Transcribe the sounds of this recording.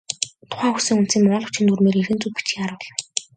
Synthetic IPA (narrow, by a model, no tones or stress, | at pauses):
t̪ʰʊ̥χæːusĭːŋunt̪siːŋmʊʊːɮɞ̆wt͡ɕxĭnt̪urmeːɾerxɘ̆nt͡suppi̥t͡ɕxiːaɾʊːɮɞ̆